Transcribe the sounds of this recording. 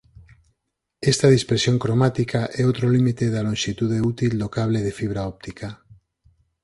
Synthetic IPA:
est̪aðispeɾsjoŋkɾomat̪ikaʔɛot̪ɾolimit̪eðalõnʲʃit̪uðeut̪ild̪okaβ̞leðefiβ̞ɾaɔp̚t̪ika

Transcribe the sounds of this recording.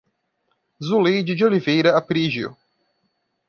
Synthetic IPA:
zulejd͡ʒɪd͡ʒɪolivejɾɐapɾiʒjʊ̰

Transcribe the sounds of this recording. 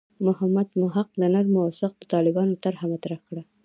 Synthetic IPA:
mʊhamːad̪mʊɦaq̚lanaɾmʊwɑsɪq̚pə̥t̪ɑlɪbɑnot̪aɾhamat̪ɾaxkɽa

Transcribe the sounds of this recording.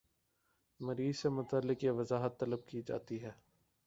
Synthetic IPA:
mɐɾiːzsemʊt̪aːlːɪkjeʋɐzaːɦət̪ːɐləb̚kid͡ʒa̰ːt̪iɦɛː

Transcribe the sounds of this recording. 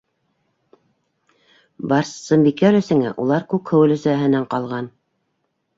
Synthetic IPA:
bɑɾssɤmbikælɵ̆sɘ̆ŋæ̰ʔulˠɑɾkʉkhɵ̆wɘ̆lɵ̆sæɦɘ̆næɴqɑlˠʁɑn

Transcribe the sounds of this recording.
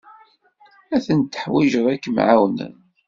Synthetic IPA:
æθənt̪ə̥ħwiʒəðˤækːəmʕa̰wnə̰n

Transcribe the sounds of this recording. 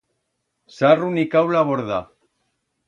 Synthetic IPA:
sarunikawlaβoɾða

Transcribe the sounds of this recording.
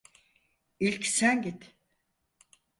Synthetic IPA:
ilʲcsænɟit̪

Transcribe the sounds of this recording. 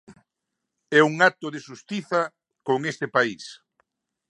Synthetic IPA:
ɛuŋat̪ʊðeʃust̪iθɐ | koŋest̪ɪpais

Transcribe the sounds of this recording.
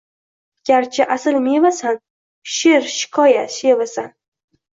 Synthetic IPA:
ɡ̥ʲaɾt͡ʃʰɪʔasɪlmevasan | ʃeɾʃɪ̥kʰɒjaʃevasan

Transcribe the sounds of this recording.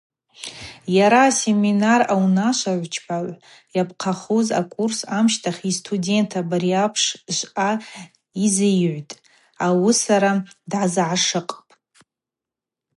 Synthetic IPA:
jaɾaːse̞minarawnaʃʷaʕʷt͡ʃʰpʰaʕʷ | japʰʼqʰaχoza̰kʼursamʃtʰaχistʰudʲe̞ntʰabaɾiapʰʂʃʷʼʔa | izejʕʷtʼ | awisaɾadʕazʕaʂɨqʼpʼ

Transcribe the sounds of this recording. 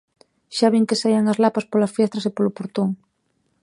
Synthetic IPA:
ʃaβiŋkesajaŋɐzlapaspolasfjɛst̪ɾɐsepolopoɾt̪oŋ

